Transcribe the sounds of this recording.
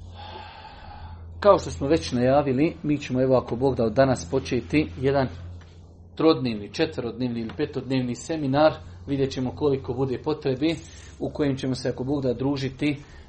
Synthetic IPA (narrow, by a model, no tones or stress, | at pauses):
kao̞ʃt̪o̞smoʋe̞t͡ɕnajaːʋilimiːt͡ɕe̞moe̞ʋoako̞bo̞ːɡd̪aod̪ːanaspo̞t͡ʃeːt̪ijed̪an | t̪ɾo̞d̪neːʋnit͡ʃet̪ʋəɾo̞d̪neːʋniilipet̪od̪neːʋnise̞minaːɾʋid̪jet͡ɕe̞mo̞ko̞liko̞bud̪e̞ːpo̞t̪ɾe̞be | uko̞jemt͡ɕe̞mo̞se̞ako̞bo̞ːɡd̪ad̪ɾuːʒit̪i